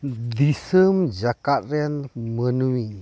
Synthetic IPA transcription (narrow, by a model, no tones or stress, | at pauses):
d̪isəmd͡ʒakat̪̚ɾɛnmənuwi